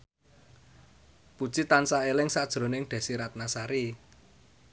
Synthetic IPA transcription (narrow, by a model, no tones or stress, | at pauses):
pu̥t͡ʃit̪ansaelɪŋsad̥ʒ̥ɾo̤nɪŋɖ̪̥ɛ̤siɾat̪̚nasaɾi